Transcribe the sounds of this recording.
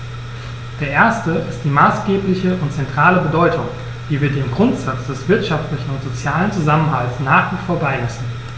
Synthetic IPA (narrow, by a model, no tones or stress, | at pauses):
d̥eːɐʔeːɐstəʔɪst̚d̥iːmaːsɡ̥eːplɪçəʊntt͡sɛntʁ̥aːləbədɔʏtʰʊŋ | viːviːɐdeːmɡʁʊntz̥at͡sd̥ɛsv̥ɪɐtʃaftlɪçn̩ʊntz̥ot͡sjaːlənt͡suzamənɦaltsnaːχv̥iːfoːɐbaɪnɛsn̩